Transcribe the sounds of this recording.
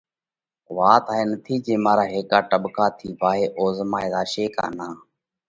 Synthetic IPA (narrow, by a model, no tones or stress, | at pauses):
ʋaːt̪aːɦeːnət̪ʰiːd͡ʒeːmaːɾaːɦeːkaːʈəɓkaːt̪ʰiːbaːɦeːʔoːzmaːeːd̪aːʃeːka̰ːnãː